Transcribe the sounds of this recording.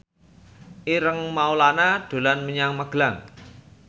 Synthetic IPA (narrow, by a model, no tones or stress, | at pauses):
ʔiɾəŋmaulanaɖ̪̥o̤lanməɲaŋməɡ̥laŋ